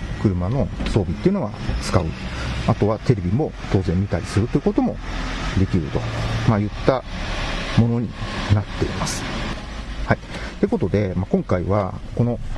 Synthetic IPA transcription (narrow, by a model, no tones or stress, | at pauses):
kɯ̟ɾɯ̟mano̞so̞ːbʲit̪ːeiɯ̟noɡa̰t͡sɨ̥kaɯ̟at̪o̞βat̪e̞ɾe̞bʲimo̞ | t̪o̞ːzẽ̞mːit̪aɾʲisɨɾɯ̟t̪oiɯ̟kot̪o̞mo̞̰d̪e̞kʲiɾɯ̟t̪o̞̥̰majɯ̟t̪ːa | mo̞no̞ɲ̟ḭnat̪ːe̞̰ḭmasɨ̥ | hait̪eko̞t̪o̞d̪e̞makõ̞ŋkaiβa̰ko̞no̞